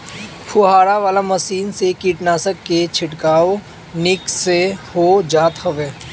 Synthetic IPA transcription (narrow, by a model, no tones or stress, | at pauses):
pʰʊɦaːɽaʋaːlaməsiːnsekiːʈnaːsəkːet͡ʃʰɪʈkaːo | nɪksehod͡ʒaːt̪həʋeː